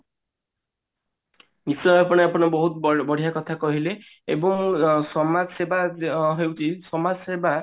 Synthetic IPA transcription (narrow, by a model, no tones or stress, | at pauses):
nisɔjapɔɽ̃eapɔɽ̃ɔbɔɦut̪bɔɽ̤ʱijakɔt̪ʰakɔɦile | ebɔŋsɔmad͡ʒsebaɦewt͡ʃʰisɔmad͡ʒseba